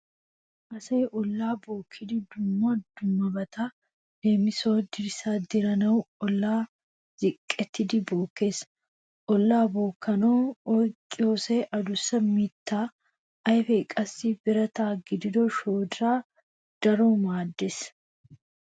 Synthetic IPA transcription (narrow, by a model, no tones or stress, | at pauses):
ʔɐsɐʔɔlːaːbo̞ːkʰːɪd̪ɪd̪ʊmːaːd̪ʊmːɐbɐt̪a | deːmɪso̞ːd̪ɪɾɪsaːd̪ɪɾɐnɐwɔlːaː | zɪkʼːɛt̪ːɪd̪ɪbo̞ːkːe̞ːs | ʔɔlːaːboːkːɐnoːokʼːɪjoːsɛʔɐd̪ʊsːɐmɪt̪ːaː | ʔɐjfɛkʼɐsːibɪɾɐt̪aːɡɪd̪ɪd̪oʃoːd̪ɾaː | d̪̥ɐɾoːmaːd̪ːɛs